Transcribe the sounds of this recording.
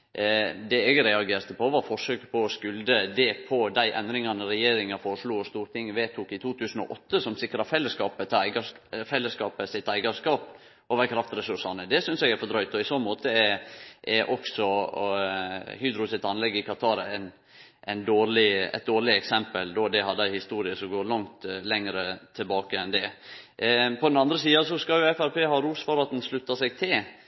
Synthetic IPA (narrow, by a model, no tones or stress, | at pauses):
d̪ɛɛɡɾɛɑɡeːɾt̪əpʰɔʋɑɾfɔʂøːkəpʰɔːskʉld̪əd̪ɛpʰɔd̪æɪʔɛnd̪ɾɪŋɑnəɾɛjeːɾɪŋɑfoːɾəʂluːɔst̪uːɾt̪ʰɪŋːʋeːt̪ʰʊkɪt̪ʰuːt̪ʰʉːsən̩ɔ̰ʔɔt̪ːəsɔmsɪkɾɑfɛlːəskɑːpət̪ʰæɪɡɑ | fɛlːəskɑːpəsɪt̪æɪɡɑskɑːp | ɔʋæːɾkʰɾɑft̪ɾɛsʉʂɑnəd̪ɛsʏnsɛɡæɾfɔd̪ɾœʏt̪ɔɪsɔnmoːt̪əɛʔɛɾʔɔksɔ | hyːd̪ɾʊsɪt̪ɑnlɛɡːɪkʰɑt̪ʰɑːɾæɪn | ʔæɪnd̪oːɾlɪɛ̰t̪̚d̪oːɾɭɪɛksɛmpəld̪ɔd̪ɛhɑd̪ːəæɪhɪst̪uːɾɪəsɔmɡoːɾɭɑŋt̪lɛŋəɾət̪ʰːɪlbɑːkəɛnd̪ɛ | pʰɔd̪ɛnɑnd̪ɾəsiːɑsɔskɑljʊɛfæɾpʰeːhɑːɾuːsfɔɾɑt̪ɛnslʉt̪ːɑsɛɡ̚t̪ʰɪ